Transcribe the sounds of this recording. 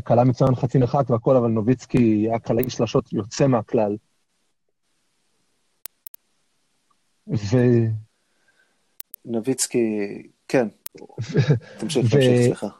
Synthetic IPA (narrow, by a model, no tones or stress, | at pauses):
akalamet͡sujanχat͡simeχakveako̞lavalnovit͡skiakʰalaiʃlaʃo̞tʰjot͡se̞meaklal | ve | novit͡ski | kʰenvt̪amʃiveseχa